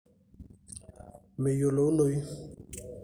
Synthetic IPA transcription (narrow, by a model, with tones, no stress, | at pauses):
me˨jo˨lo˨˦no˨˦ji˦